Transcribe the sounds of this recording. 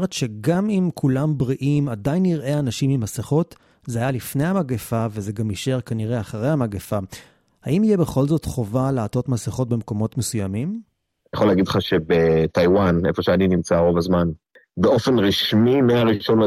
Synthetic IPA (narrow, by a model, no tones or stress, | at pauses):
ʁetʃe̞ɡamimkʰulambʁiʔimadajniʁʔe̞anaʃimimaseχo̞t | zeajalifne̞jhamaɡefaveze̞ɡamiʃe̞ʁkaniʁe̞aχaʁejhamaɡefa | haimijebeχo̞lzo̞tχo̞valeato̞tmaseχo̞t̚be̞mko̞mo̞tme̞sujamim | jeχoleaɡidlχaʃe̞bet̪ajwanefo̞ʃeaninimt͡saʁo̞vazman | beo̞fe̞nʁiʃmimeaʁiʃo̞nl